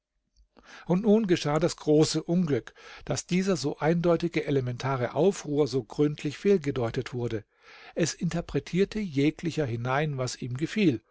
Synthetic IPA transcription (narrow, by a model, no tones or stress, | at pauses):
ʔʊntnuːnɡəʃaːdasɡ̥ʁoːsəʔʊnɡlʏkd̥asd̥iːzɐzoːʔaɪndɔʏtɪɡəʔelemɛntʰaːʁ̞əʔaʊfʁ̥uːɐzoːɡʁʏntʰlɪçfiːlɡədɔʏtətv̥ʊɐdə | ʔɛsɪntɐɐpʁ̥ɛtʰiːɐtʰəjeːklɪçɐɦɪnaɪnvasiːmɡəfiːl